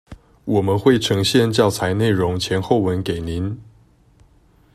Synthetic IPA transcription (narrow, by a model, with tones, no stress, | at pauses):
wɔ˨˩mə˦nxwe˥˩ɪʈ͡ʂʰɤ˧˥ŋɕjɛ˥˧nt͡ɕjɑ˥˩ʊt͡sʰa˧˥ɪne˥˩ɪɻʊ˧˦˥ŋt͡ɕʰjɛ˧˥nxo˥˩ʊwə˧˥nke˨˩ɪni˨˦n